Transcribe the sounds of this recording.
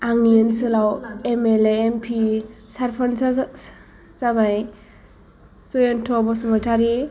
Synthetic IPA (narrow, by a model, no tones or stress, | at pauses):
aŋinsɯlawemeleempʰisaɾpʰɔnsa | zamaj | sɔjentʰɔbɔsɯmɯtʰaɾi